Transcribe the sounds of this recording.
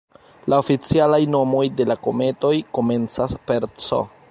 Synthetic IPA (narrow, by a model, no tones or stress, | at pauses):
laofit͡sialajno̞mo̞jde̞lako̞me̞to̞jko̞me̞nt͡saspe̞ɾt͡so̰